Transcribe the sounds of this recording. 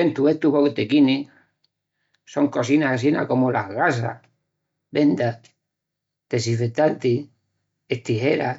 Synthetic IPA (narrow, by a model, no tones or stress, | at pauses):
ent̪ueht̪uβokt̪ekini | so̞ŋko̞sinasas̬ina̰ko̞molaɣas̬a̰ | be̞nd̪a | t̪esifet̪ant̪i | et̪iheɾa̰